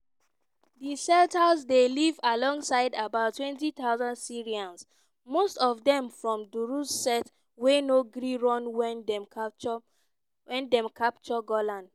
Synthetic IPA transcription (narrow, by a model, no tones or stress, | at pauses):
disɛltazdelivalɔ̃ŋɡsaɪdabaʊtʰːwɛ̃ntit̪aʊzãndsiɹiãns | mostɔvdɛ̃mfɹɔ̃mduɹussɛt | wenoɡɹiɹɔ̃nwɛ | wɛ̃ndɛ̃mkʰapt͡ʃɔɡɔlãnd